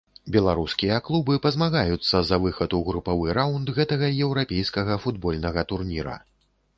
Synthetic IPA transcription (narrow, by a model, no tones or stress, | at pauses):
bʲɛlˠaɾuskʲijɐklˠubɨpɐzmaɣajut̪sːɐzɐvɨxɐt̪uɣɾupavɨɾawnd̪ɣɛt̪ɐɣɐjɛwɾapʲejskɐɣɐfud̪bɔlʲnɐɣɐt̪urnʲiɾɐ̰